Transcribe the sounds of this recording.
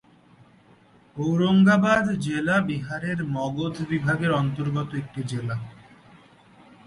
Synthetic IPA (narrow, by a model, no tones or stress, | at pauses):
owɾoŋɡabad̪d͡ʑelabiɦaɾeɾmɔɡod̪ʱbibʱaɡeɾɔnt̪oɾɡɔt̪oek̚ʈid͡ʑela